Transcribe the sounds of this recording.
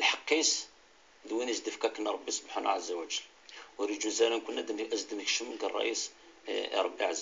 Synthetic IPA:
əlħɑqːis | d̪winəzd̪əfkækənɾˤɑbːisˤbħan̰ʕəzːæwæd͡ʒ | wɾid͡ʒunzæɾinkunːæd̪ʔæzd̪ənəkʃəmɡærˤːɑ̰ʔis | ɾˤɑbːiʕazː

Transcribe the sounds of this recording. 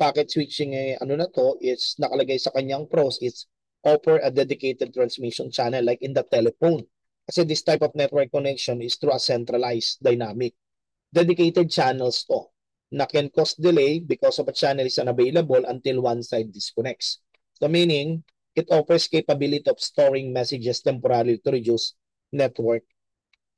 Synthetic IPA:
paːkɛt̪̚swit͡ʃɪŋʔɐ̰nonɐt̪o̞ʔɪsnɐkɐlɐɡajsɐkɐɲːaŋpɾowsɪt̪s | ʔofɛɹʔɐd̪ɛd̪ɪkejt̪ɛd̪̚t̪ɾɐnsmiʃont͡ʃanɛlːajkɪnd̪ɐt̪ɛlɛfown | kɐsɛd̪ɪst̪ajpɔfnɛt̪̚wɛɹk̚ːonɛkʃonɪst̪ɾuɐsɛnt̪ɾɐlajsd̪ɐjnaːmɪk̚ | d̪ɛd̪ɪkejt̪ɛd̪̚t͡ʃanɛlst̪o | nɐkɛ̃nkost̪̚d̪ɪlejbɪkɔsɔvɐt͡ʃanɛlɪsɐnɐvejlɐbolʔɐ̃nt̪ɪlwãnsajd̪̚ːɪskɔnɛk̚t̪s | sominɪŋ | ʔɪt̪ʔofɛɹskejpɐbilɪt̪iɔfst̪oɹɪŋmɛsɪd͡ʒɛst̪ɛmpɔɾaɾit̪ʊɾɪd͡ʒus | nɛt̪wɛɹk̚

